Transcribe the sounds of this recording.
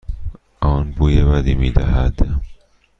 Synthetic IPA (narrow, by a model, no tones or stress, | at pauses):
ʔɒːnbuːjebæd̪imiːd̪æ̰ɦæd̪̥